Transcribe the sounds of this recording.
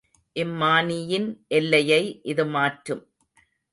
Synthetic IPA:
ʔɪmːaːnɪjɪnʔɛlːɐjɐɪʔɪðɯmaːʈɾɯm

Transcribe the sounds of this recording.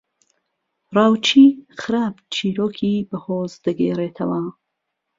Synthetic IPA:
raːwt͡ʃʰiːxɨɾaːbt͡ʃʰiːɾoːkʰiːbɐhoːzd̪ɐɡḛːreːt̪ʰɐwɐ

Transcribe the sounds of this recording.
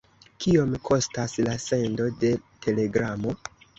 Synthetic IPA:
kʰio̞mkʰo̞staslase̞ndo̞de̞ | te̞le̞ɡɾamo̞

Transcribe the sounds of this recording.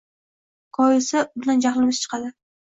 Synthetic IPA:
kʰɒjɪsabʊnand͡ʒaχlɪmɪst͡ʃʰɨ̥qʰɑd̪ɪ

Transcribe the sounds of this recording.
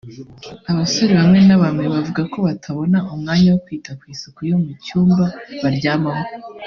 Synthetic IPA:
aβasoɾiβamŋe̞naβamŋe̞βavuɡako̞βatʰaβo̞naumŋaːɲawokwiːtakwiːsukujo̞mucuːmbaβaɾɟaːβamo

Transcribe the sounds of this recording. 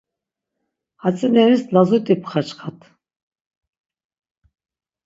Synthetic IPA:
hat͡sʼɛnɛnislazut̪ʼipʰχat͡ʃχat̪ʰ

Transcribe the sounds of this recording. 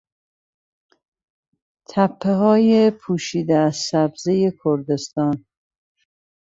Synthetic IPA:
t̪ʰæpʰːeɦɒːjepʰuːʃiːd̪eæzsæbzejekʰoɾd̪e̞st̪ɒːn

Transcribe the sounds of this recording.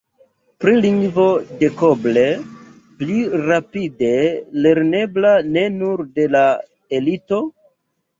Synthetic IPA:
pɾiliŋɡvo̞de̞koble | pliɾapide̞le̞ɾne̞blane̞nuɾde̞la | e̞lito̞

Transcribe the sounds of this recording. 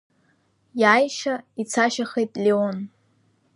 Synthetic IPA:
jajʃait͡sʰaʃaχejtʼlʲeon

